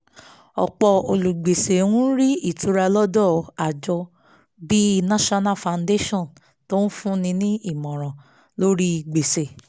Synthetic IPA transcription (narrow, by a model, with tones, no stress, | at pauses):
ɔ̰˨k͡pɔ˧o˧˨lu˨ɡ͡be˨se˨wũ˦ɾi˦i˦˨tʰu˨˦ɾa˧lɔ˦dɔ˦˨a˨d͡ʒɔ˧ | bi˦i˧nã˦ʃɔ˦na˦˨fã˨nde˦ʃɔ̃˦˨n | to˦n̩˦fũ˦nĩ˧nĩ˦i˦˨mɔ̃˨ɾ̃ɔ̃˨ | lo˦ɾi˦i˨ɡ͡be˨se˨